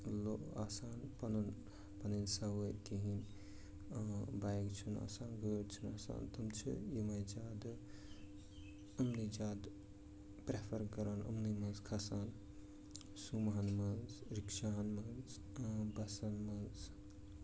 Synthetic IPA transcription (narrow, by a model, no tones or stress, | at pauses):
loaːsaːnpɐnun | pɐninsɐwəjkeɦin | bajɡt͡ʃʰuna̰ːsaːnɡəːɽt͡ʃʰina̰ːsa̰ːnt̪ʰɐmt͡ʃʰḭjimajd͡ʒaːd̪ | ɐmnid͡ʒaːd̪ | pɾepʰɐɾkɐɾɐnɐ̰mnimɐnzkʰɐsaːn | sumɦɐnmɐnzɾikʃanmɐnz | bɐsanmɐnz